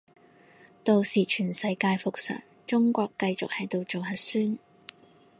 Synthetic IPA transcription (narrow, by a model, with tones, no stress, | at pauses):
t̪o˨wsiː˨˩t͡ʃʰyː˨˩nsɐ˨˧˥jkaː˧jfʊ˨k̚sœ̰ː˨˩ŋ | t͡ʃʊ˥ŋkʷɔː˧kːɐ˧jt͡sʊ˨k̚hɐ˨˥jt̪o˨˧wt͡so˨wɦɐ˨˥syː˥n